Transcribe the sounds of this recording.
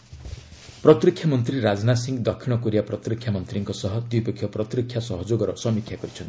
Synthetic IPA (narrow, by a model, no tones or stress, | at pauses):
pɾɔt̪ɾikʰːjamɔnt̪ɾiɾad͡ʒnasiŋɡd̪ɔkʰːiɽ̃ɔkuɾiapɾɔt̪ɾikʰːjamɔnt̪ɾiŋkɔsɔɦɔd̪wijpɔkʰːjɔpɾɔt̪ɾikʰːjasɔɦɔd͡ʒoɡɔɾɔsɔmikʰjakɔɾit͡ʃʰɔ̃nt̪i